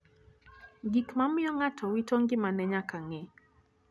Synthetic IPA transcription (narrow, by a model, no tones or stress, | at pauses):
ɡikmamɪɔŋatʰɔwitoŋɡɪmanɛɲakaŋɛ